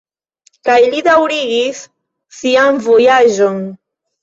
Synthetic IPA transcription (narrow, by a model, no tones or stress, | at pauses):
kajlid̪awɾiɡis | siamvojaʒoŋ